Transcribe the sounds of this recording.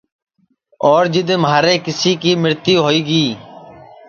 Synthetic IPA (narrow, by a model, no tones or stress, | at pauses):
ɔːɾd͡ʒɪd̪mɦaːɾeːkɪsiːkiːmɪɾt̪iːɦoːiːɡiː